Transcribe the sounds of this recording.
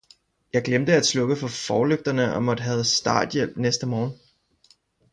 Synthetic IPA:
jɑ̈ɪɡ̥lemd̥əæd̥slɔ̽ɡ̥əfɒ̽fɒːløɡ̥d̥ɐnəɒ̽mɒ̽d̥əɦɛð̩ˠsd̥ɑ̰̈ːd̥jel̰b̥nesd̥əmɒːn

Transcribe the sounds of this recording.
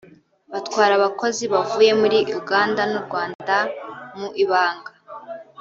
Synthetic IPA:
βatkwaːɾaβako̞ziβavuːje̞muɾiʔuɡaːndanuɾɡwaːndamuʔiβaːŋɡa

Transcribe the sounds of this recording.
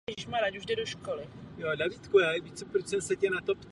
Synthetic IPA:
ʒiʃmaɾacuʒdɛdoʃkolɪjodaviːt̪kujaːjɛvit͡sɛpɾot͡ʃsɛmsɛcɛnat̪opt̪

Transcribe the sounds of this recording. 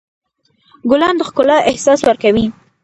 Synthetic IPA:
ɡʊlɑnd̪əxkʊlɑʔɪhsɑswəɾkawi

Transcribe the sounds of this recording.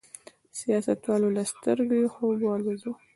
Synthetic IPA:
sijɑsat̪wɑlolast̪əɾɡjxobɑlezo

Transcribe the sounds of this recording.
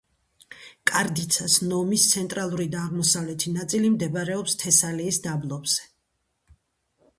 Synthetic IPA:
kʼaɾd̪it̪sʰasnɔmist̪sʰɛnt̪ʼɾalˠuɾid̪aːʁmɔsavlɛt̪ʰinat̪sʼilimd̪ɛbaɾɛɔpst̪ʰɛsaliːsd̪ablˠɔbz̥ɛ

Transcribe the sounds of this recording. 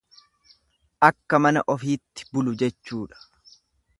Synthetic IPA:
ʔɐkːɐmɐnɐ̰ʔɔfiːt̪ːɪ̥bʊlʊd͡ʒɛt͡ʃːuːᶑɐ̥

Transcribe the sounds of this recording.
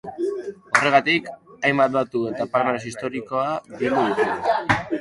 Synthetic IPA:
o̞re̞ɣ̞at̪ikajmbat̪̚bat̪ue̞t̪apaɾmaes̬ist̪o̞ɾiko̞adild̪uðut̪u

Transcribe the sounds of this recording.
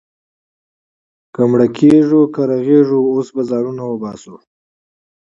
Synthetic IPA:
kamɽakʰeʐukaɾaɣeʐuosbazɑnunawəbɑsu

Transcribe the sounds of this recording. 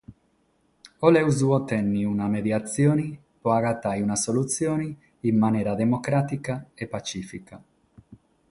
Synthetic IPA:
olɛwzuɔt̪ɛnːiunamed̪jat̪sjɔːni | pɔaɡat̪ːajunasolut̪sjɔːniː | mːanɛːɾad̪emokɾaːt̪ikaepːat͡ʃiːfika

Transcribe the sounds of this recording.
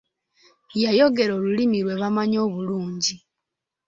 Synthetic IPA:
jajo̞ɡe̞ɾoːlulimiɾwe̞βamaɲo̞ːβuluːɲɟi

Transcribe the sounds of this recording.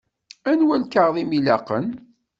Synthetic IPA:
ænwælkaʁðˤimilæqən

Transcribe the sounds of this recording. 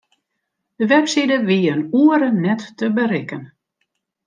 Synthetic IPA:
d̥əʋɛpsidəʋiənuəɾənɛtːəbəɾɪkən

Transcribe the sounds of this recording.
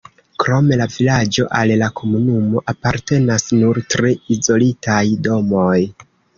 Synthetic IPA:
kɾo̞me̞lavilad͡ʒo̞ʔallakʰo̞munumo̞ʔapaɾte̞nasnuɾtɾeizo̞litajdo̞mo̞j

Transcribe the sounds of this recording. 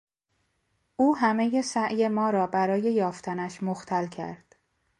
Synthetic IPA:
ʔuːɦæme̞je̞sæʔjemɒːɾɒːbæɾɒːje̞jɒːft̪ʰænæʃmoxt̪ʰælcʰæ̰ɾd̪̥

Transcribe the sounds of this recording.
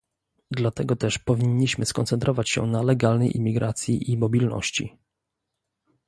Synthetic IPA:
d̪lat̪ɛɡɔt̪ɛʂpɔvʲiɲːiɕmɘskɔnt̪sɛnt̪ɾɔvat͡ɕɕɛ̰nalɛɡalnɛjʔḭmʲːiɡɾat̪sʲjiʔimɔbʲilnɔ̰ɕt͡ɕḭ

